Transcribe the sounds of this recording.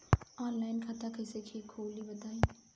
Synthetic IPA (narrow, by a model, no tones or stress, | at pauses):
ɔːnlaːɪnkʰat̪akʰɐɪsekʰeːkʰoːlibɐt̪aːiː